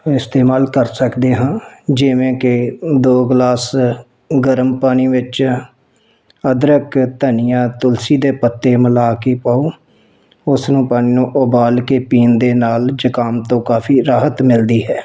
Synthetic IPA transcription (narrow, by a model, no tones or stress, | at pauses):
ɪst̪eːmaːlkəɾsəkd̪eːɦãːd͡ʒɪʋẽːkɪd̪oːɡlaːs | ɡəɾəmpaːñiːʋɪt͡ʃ | əd̪ɾəkt̪ənijãːt̪ʊlsiːd̪eːpət̪ːeːməlaːkeːpaːuː | ʊsnũːpaːñiːnũːʔʊbaːlkeːpiːnd̪eːnaːld͡ʒəkaːmt̪õːkaːfʰiːɾaːɦət̪mɪld̪iːɦɛː